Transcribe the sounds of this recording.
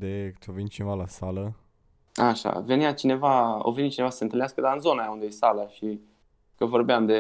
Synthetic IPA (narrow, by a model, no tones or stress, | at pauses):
d̪et͡ʃovinʲt͡ʃinevalasalə | aʃa̰ve̞nijat͡ʃine̞vao̰ve̞nit͡ʃinevasəsent̪ɨlnaskəd̪aɨnzo̞najaund̪ejesaləʃi | kəvo̞rbeamd̪e